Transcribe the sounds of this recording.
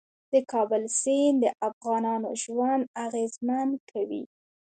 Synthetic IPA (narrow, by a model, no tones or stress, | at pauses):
d̪̥əkʰɑbəlsind̪əʔafɣɑnɑnoʒwand̪aɣezmankʰawḭ